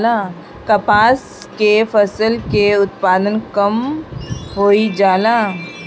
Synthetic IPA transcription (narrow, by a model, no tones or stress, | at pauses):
laː | kɐpaːs | kefɐsəlkeʊt̪paːd̪ənkɐm | ɦoːid͡ʒaːlaː